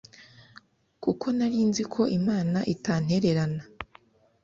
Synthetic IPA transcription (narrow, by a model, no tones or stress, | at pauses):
kukʰo̞naɾiːnzikʰo̞ʔimaːnaʔitaːn̥he̞ɾe̞ɾana